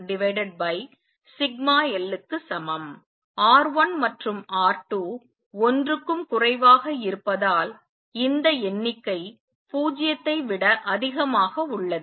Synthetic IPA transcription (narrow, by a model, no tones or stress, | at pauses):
ɖɪʋɐɪɖɛɖ̚bɐɪ | sɪɡ̚maːɛlːɯkːɯsɐmɐm | aːɾʋɐnmɐʈrɯmʔaːɾʈːuː | ɔndrɯkːɯmkʊrɐɪʋaːɣɐɪɾɯpːɐðaːl | ɪnd̪ɐɛnːɪkːɐɪ | puːd͡ʒɪjɐt̪ːɐɪʋɪɽɐʔɐðɪɣɐmaːɣɐʊɭːɐð